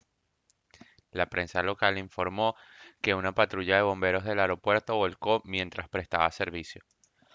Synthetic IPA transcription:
lapɾe̞nsalo̞kaliɱfoɾmo̞ | ke̞unapat̪ɾuʝaðe̞βõ̞mbe̞ɾo̞zð̞elaeɾo̞pwe̞ɾt̪o̞βo̞lko̞mje̞nt̪ɾaspɾest̪aβase̞ɾβ̞isjo̞

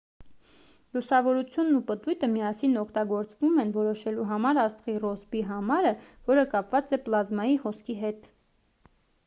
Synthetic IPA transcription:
lusɑvɔɾut͡sʰjunːupət̪ujt̪əmijɑsinɔkʰt̪ɑɡɔɾt͡svumɛnvɔɾɔʃɛluɦɑmɑɾɑst̪ʁirɔzbiɦɑmɑɾəvɔɾəkɑpvɑt͡sɛplɑzmɑjihɔskʰiɦɛt̪

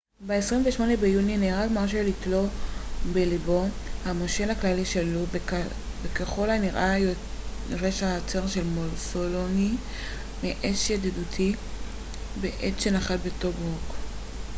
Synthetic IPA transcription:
beesʁimveʃmo̞nebejunineʁalmaʁʃ̬elitlo̞belibo̞ | hamoʃelhaklaliʃelu | bekeχo̞laniʁajʁeʃaːt͡seʁʃelmolsoloni | meʔeʃjad̪idutʰi | beʔetʃenaχalbeto̞bʁok

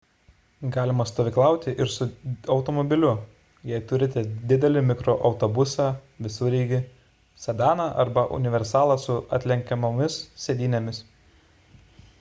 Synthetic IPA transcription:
ɡɑːlʲɪmɐst̪oːʋʲɪklˠɑˑʊt̪ʲɪʔɪɾsʊɒʊt̪omɔbʲɪlʲʊ | jɛɪt̪ʊɾʲɪt̪ʲɛd̪ʲɪd̪ʲɛlʲɪmʲɪkɾoːʔɒʊt̪obʊsɑʋʲɪsʊɾʲiːɡʲɪ | sʲɐd̪ɑːnɑːʔɐ̰ɾbɐʔʊ̰nʲɪʋʲɛɾʲsɑːlˠɑːsʊɐ̰t̪ʲlʲɛŋʲkʲɛmomʲɪssʲɛd̪ʲiːnʲɛmʲɪs

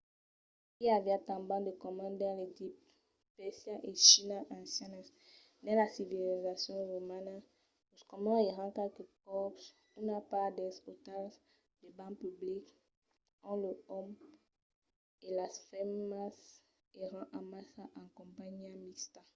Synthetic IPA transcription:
avjat̪ãmbãd̪ekɔmãnd̪ãlekip | pɛsjaʔeʃinaʔãsɛ̃nɛ | dɛ̃lasivilizasjɔ̃ʁomana | uskɔmãeʁãkalkekɔps | unapalad̪ɛsot̪al | d̪ebãpyblik | ãləɔm | elasfɛmas | eʁãʔamasaʔãkɔ̃mpaɲamist̪ã

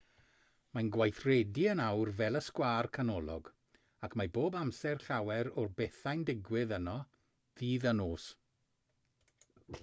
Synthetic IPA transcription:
manɡwajθrɛdiənawrvɛlˠəskwaːrkʰanɔlˠɔ̰ɡ | akʰmajboːbamsɛrɬawɛɾɔrbɛθajndɪɡwɪðənɔ | ðiːðənoːs

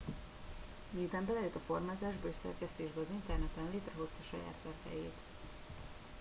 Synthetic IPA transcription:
miːt̪ɛmbɛlɛjøt̪ɒfo̞rmaːzaːʒbɒøʃsɛ̰rkɛst̪eːʒbɛɒzint̪ɛrnɛt̪ɛnveːt̪rɛɦo̞st̪ɒʃɒja̰ːt̪ʋɛrtɛ̰jeːt̪

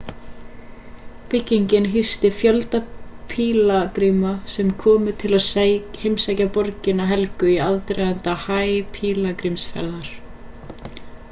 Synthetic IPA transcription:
pɪcːiɲcɪnɦʏst̪ɪfjœlt̪apʰiːlakɾiːmasɛmkʰɔːmʏt̪ʰɪlaðshɪmsajcapɔɾcɪnaɦɛlkʏiaðt̪ɾɛðant̪ahaːjpʰiːlakɾimsfɛ̰ɾðaɾ̥

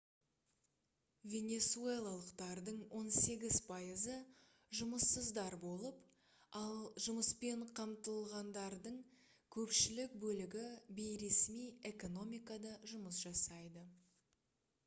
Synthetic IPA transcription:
vʲe̞nʲe̞sue̞lˠalˠəqt̪ɑɾd̪əɴwo̞nse̞ɡʲɪz̥pʰɑjəzə | ʒʊməsːəzd̪ɑɾbo̞lˠəp | ɑlˠʒʊməspe̞ɴqʰɑmt̪əlˠʁɑnd̪ɑɾd̪əɴ | kʲʰɵpʃɪlɪk̚bɵlɪɡʲɪbejɾe̞smije̞ko̞no̞mʲijkɑd̪ɑʒʊməsʒ̥ɑsɑjd̪ə

